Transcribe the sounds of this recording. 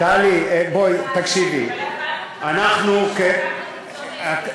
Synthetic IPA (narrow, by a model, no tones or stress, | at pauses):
alibojt̪akʃibḭ | anaxnuke